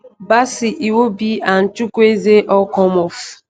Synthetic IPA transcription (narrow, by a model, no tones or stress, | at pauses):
basiʔiwobian̩t͡ʃukuezeʔɔkɔmɔf